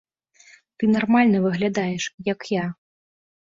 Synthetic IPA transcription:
t̪ɨnarmalʲnɐvɨɣlʲad̪ajɛʂjɐkja

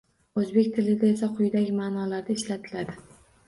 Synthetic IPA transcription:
ɵzbe̞kʲt̪ʰɪlɪd̪aesaqʰʊjd̪aɡʲɪmaːnɒlaɾd̪aɪʃlat̪ʰɪlad̪ɪ

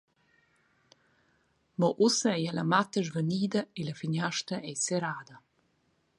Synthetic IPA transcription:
mɔʔusəɛjɛlamat̪əʒvəniːd̪ɐeləfiɲaʃtɐʔɛjseɾaːd̪ə

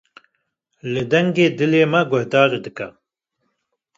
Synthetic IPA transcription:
lɨd̪ɐŋɡeːd̪ɨleːmɐɡʊhd̪ɑːɾid̪ɨkɐ

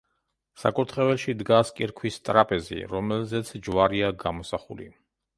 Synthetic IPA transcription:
sa̰kʼuɾt̪ʰχɛvɛlʃid̪ɡaskʼiɾkʰwist̪ʼɾapʼɛzḭɾɔmɛlzɛt̪sʰd͡ʒwaɾiaɡamɔsaχṵlḭ

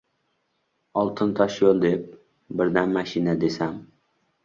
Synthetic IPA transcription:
ɒlˠt̪ʰɨnt̪ʰɑʃjolˠd̪ep̚ | bɪɾd̪æmmæʃinad̪esæm

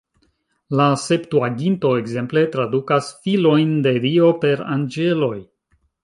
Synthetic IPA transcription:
lase̞ptuaɡinto̞e̞kze̞mple̞tɾadukasfilo̞jnde̞ɾio̞pe̞ɾa̰nd͡ʒe̞lo̞j

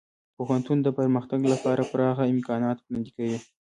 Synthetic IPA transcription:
poɦant̪und̪əpəɾməxt̪aɡlapɑɾapəɾɑɣaɪmkɑnɑt̪pnad̪ikawi

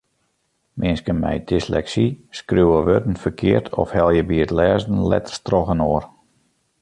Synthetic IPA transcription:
mʔɪnskənmɛ̰jdɪslɛksiskrywəʋødən̩fərkʰɪərtʰɔ̰fhɛlˠjəbiətlɛːzn̩lɛ̰tərstrɔɣənoər

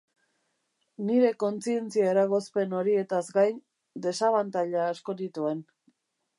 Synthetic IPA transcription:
niɾe̞ko̞nt͡sie̞nt͡siaeɾaɣ̞o̞spe̞no̞ɾie̞t̪azɡajn | d̪e̞saβant̪aʎaːsko̞nit̪ue̞n

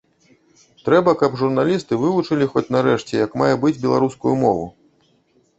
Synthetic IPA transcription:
t̪ɾɛbɐkɐbʐurnalʲist̪ɨvɨvut͡ʂɨlʲixɔt͡sʲnaɾɛʂt͡sʲɛjɐkmajɛbɨd͡zʲbʲɛlˠaɾuskujumɔvṵ

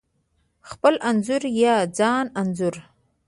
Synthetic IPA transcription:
xpəlʔanzʊɾjɑd͡zɑnanzʊɾ

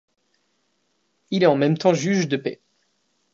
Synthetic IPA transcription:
ilɛɑ̃mɛmt̪ɑ̃ʒyʒd̪əpɛ

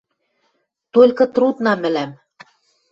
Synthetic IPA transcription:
t̪olʲkɤ̆t̪ɾut̪nɑmɘ̆læm

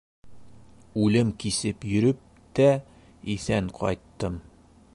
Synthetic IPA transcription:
ʉlɘmkisɘpjɵ̆ɾɵp̚ | t̪æ | iθæŋqʰɒ̰jt̪ːɤm

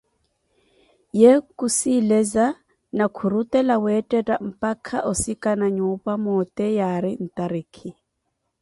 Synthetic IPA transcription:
jekʼusilɛza | nakʰuɾutʼɛlawɛtʼɛtʼam̩pʼakʰaʔʊsikʼanaɲupʼamɔtʼɛjaɾɪn̩tʼaɾiːkʰɪ

